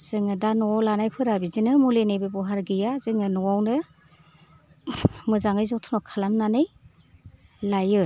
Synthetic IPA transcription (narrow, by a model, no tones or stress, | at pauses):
z̥ɯŋɯdanɔwawlanajpʰɯɾabizinɯmulenɯjbɯbɔɦaɾɡɯjazɯŋɯnɔwawnɯ | mɯzaŋɯjzɔtʰunɔkʰalamnanɯj | lajɯ